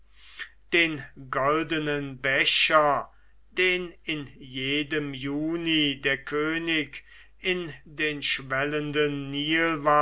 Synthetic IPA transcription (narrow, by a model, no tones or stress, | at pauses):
d̥eːnɡɔldənənbɛɕɐ | d̥eːnɪnjeːdəmjuːnideːɐkʰøːnɪk | ɪndeːnʃvɛləndənːiːlva